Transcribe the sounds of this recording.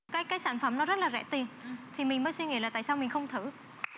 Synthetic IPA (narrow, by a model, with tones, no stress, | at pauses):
kaː˨˦jkaː˨˦jsaː˧˩nfə˧˩mnɔ˨˦zə˦˥t̚laː˨˩zɛ̰˧˩˥t̪i˨˩nt̪ʰi˨˩mï˨˩ŋ̟əː˨˦jswi˧ŋḭ˧˥˦laː˨˩t̪a̰ː˧˨jsaː˧wmï˨˩ŋ̟xə˧wŋ͡mt̪ʰɨ˧˩